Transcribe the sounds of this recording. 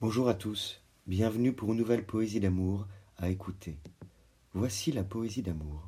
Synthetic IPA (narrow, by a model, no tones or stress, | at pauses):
b̥ɔ̃ʒuʁat̪us | bjɛ̃vnypuʁynːuvɛlpʰɔezid̪amuʁaekʰut̪ʰe | vwasilapɔezid̪amuːʁ